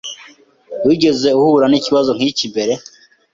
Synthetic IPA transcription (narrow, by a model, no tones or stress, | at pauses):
wiɟe̞ze̞uhuɾaniciβazo̞ŋ̥icibe̞ɾe̞